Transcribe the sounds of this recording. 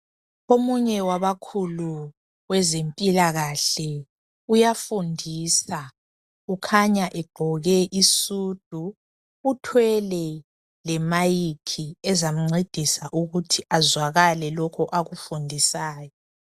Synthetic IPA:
omuɲɛwaβakʰulu | ɣwɛzempʼilaɣaɬɛ | ujafundʱiːsa | ukʰaɲaʔɛɡ͡ǃʱɔɣɛʔisuːd̥ʱuː | tʰwɛlɛ | lɛmajikʰiɛzam̩ŋ͡ǀed̥ʱisaʔuɣutʰiʔazwaɣalɛlɔkʰɔʔaɣufundʱisaːjɔ

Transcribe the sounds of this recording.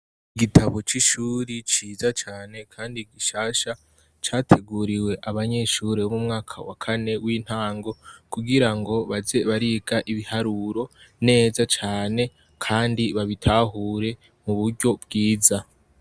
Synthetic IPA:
iɡitʰaβo̞t͡ʃiʃuːɾit͡ʃiːzat͡ʃaːne̞kʰaːndiɡiʃaːʃa | t͡ʃaːtʰe̞ɡuːɾiwe̞ʔaβaɲe̞ʃuːɾeβomumŋaːkʰawa̰kʰane̞wiːn̥haːŋɡo̞kuɡiɾaŋɡo̞βaze̞βaɾiːɡaʔiβihaɾuːɾo̞ne̞ːzat͡ʃaːne̞ | kʰaːndiβaβitʰaːɦuːɾe̞ | muβuɾɟo̞bɡiːza

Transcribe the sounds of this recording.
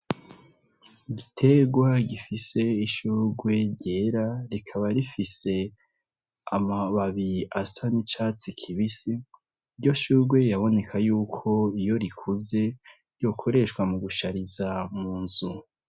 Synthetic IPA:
iɡitʰe̞ɡwaɟifise̞iʃuɾɡwe̞ɾɟe̞ɾaɾikʰaβaɾifise̞ | amaβaβiasanit͡ʃaːt͡sikʰiβisiː | ɾɟo̞ʃuɾɡwe̞jaβo̞ne̞kʰajuːkʰo̞ijo̞ɾikʰuze̞ | jo̞ːkʰo̞ɾe̞ʃwamuɡuʃaɾizamuːnz̥u

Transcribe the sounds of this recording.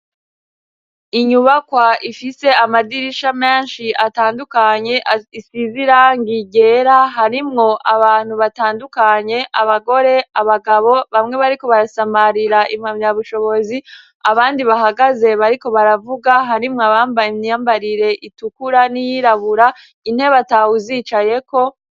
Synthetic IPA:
iɲuβakwaifiseamadiɾiʃame̞ːnʃiʔataːndukaɲe̞isiziɾaŋɡiɟe̞ːɾaɦaɾimŋo̞ʔaβaːn̥huβataːndukaɲe̞ʔaβaɡo̞ɾe̞aβaɡaβo̞βamŋe̞βaɾiko̞βaɾasamaɾiɾaʔimamaβuʃo̞βo̞zi | aβaːndiβaɦaɡaze̞βaɾiko̞βaɾavuɡaɦaɾimŋoaβaːmbajimɲijaːmbaɾiɾe̞ʔitukuɾanijiɾaβuɾa | in̥he̞βatahuziːt͡ʃaje̞ko̞

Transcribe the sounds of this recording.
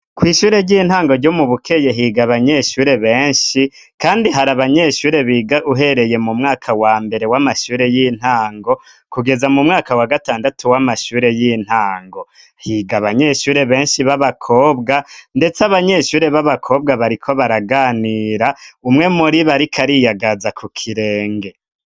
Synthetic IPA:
kwiːʃuːɾe̞ɾɟiːn̥haːŋɡo̞ɾɟo̞muβukʰe̞jeɦiːɡaβaɲe̞ʃuːɾe̞βe̞ːɲʃi | kaːndiɦaɾaβaɲe̞ʃuːɾe̞βiɡaʔuɦe̞ɾe̞je̞mumŋaːkʰawaːmbe̞ɾe̞wamaʃuːɾe̞jiːn̥haːŋɡo̞ | kuɡe̞zamumŋaːkawaɡataːndatuwamaʃuːɾe̞jin̥haːŋɡo̞ | hiːɡaβaɲe̞ʃuːɾe̞βe̞ːnʃiβaβakʰo̞ːbɡande̞t͡saβaɲe̞ʃuːɾe̞βaβakʰo̞ːbɡaβaɾikʰo̞βaɾaɡaːniːɾaumŋe̞muɾiβaɾikʰaɾijaɡazakʰukʰiɾe̞ːŋɡe̞

